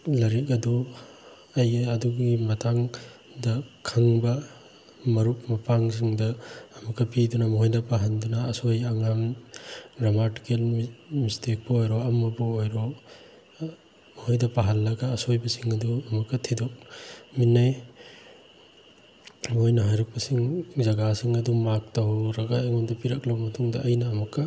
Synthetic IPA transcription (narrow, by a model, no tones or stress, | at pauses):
lɐɾikɐdu | ɐjɐduɡɡimɐtʰaŋ | dɐkʰɐŋbɐ | mɐɾuk̚mɐpaŋsiŋdɐːmɐkːɐpidunɐmɐɦojdɐpaɦandunɐːsojaŋam | ɡɾamati̥kelmistek̚pɐojɾɔɐmɐbuojɾo | mɐhojdɐpaɦɐnlɐɡaːsojbɐsiŋɐduɐmɐkːɐtʰidɔk̚minːaj | mɦojnɐɦajɾɐk̚pɐsiŋzɐɡasiŋɐdumak̚tɐhwɾɐɡaeŋondɐpiɾɐklɐmɐtʰuŋdɐʔɐjnɐːmɐkːɐ